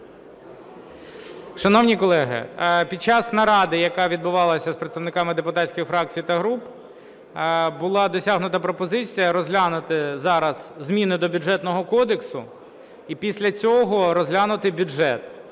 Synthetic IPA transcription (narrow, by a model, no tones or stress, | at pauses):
ʃɐnɔwnʲikɔlˠɛɦɪ̰pʲid̪̚t͡ʃɑsnɐɾɑd̪ɪjɐkɑʋʲid̪bʊʋɑlˠɐsʲɐspɾet̪st̪ɐwnɪkɑmɪd̪epʊt̪ɑtʲsʲkʲɪxfɾɑk̚t͡sʲijt̪ɐɦɾup | bʊlˠɑd̪ɔsʲaɦnʊt̪ɐpɾɔpɔzɪt͡sʲijɐɾɔzʲlʲanʊt̪ɪzɑɾɐzzmʲinʊd̪ɔbʲʊʐɛt̪nɔɦɔkɔd̪eksʊ̰ | ipʲisʲlʲɐt͡sʲɔɦɔɾɔzʲɦlʲanʊt̪ɪbʲʊʒɛt̪